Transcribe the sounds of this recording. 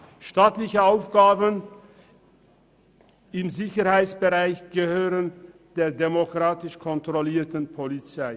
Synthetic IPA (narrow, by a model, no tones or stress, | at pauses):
ʃtaːtlɪçəaʊfɡ̥aːbən | ɪmzɪçəɾhaɪt͡ssb̥əʁaɪçɡ̥əhøːʁənd̥eːɐdemokʁ̥aːtɪʃkʰɔntʁ̥ɔliːɐtənpʰolit͡saɪ